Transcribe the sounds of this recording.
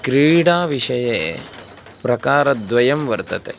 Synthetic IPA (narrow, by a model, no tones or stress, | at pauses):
kɾiːɽaːʋiʂɐjeː | pɾɐkaːɾɐd̪ʋɐjɐmʋɐɾt̪ɐt̪e